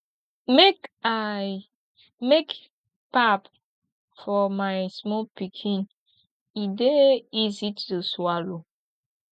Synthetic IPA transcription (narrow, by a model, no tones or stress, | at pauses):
meka | mek | pap | fɔmaɪsmɔlpikʰĩn | ideizituswalo